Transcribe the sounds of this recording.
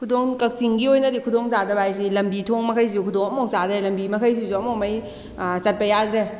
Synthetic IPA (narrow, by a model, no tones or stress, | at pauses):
kʰudoŋkɐk̚siŋɡiojnɐdikʰudoŋzadɐbajs̬ilɐmbitʰoŋmɐkʰɐjs̬iukʰudoŋɐmowzadɾelɐmbimɐkʰɐjs̬izuɐmomɐj | sɐt̚pɐjad̪ɾe